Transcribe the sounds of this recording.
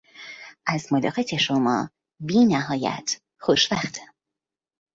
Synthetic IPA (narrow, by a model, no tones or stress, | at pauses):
ʔæzmolɒːɣet̪ʰeʃomɒ̰ː | biːnæɦɒːjæ̰t̪ʰ | xoʃvæxt̪ʰ